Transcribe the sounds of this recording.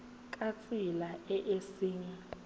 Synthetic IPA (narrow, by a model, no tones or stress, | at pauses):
k̬ʼat͡sʼilaɛʔesiːŋɛ